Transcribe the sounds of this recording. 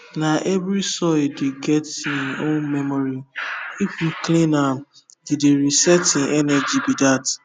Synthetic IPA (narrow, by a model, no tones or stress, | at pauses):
naʔɛvɾisɔɪdeɡɛtĩnõnmɛmɔɾiif̩klĩna | dideɾisɛtĩnʔɛnɛd͡ʒibidat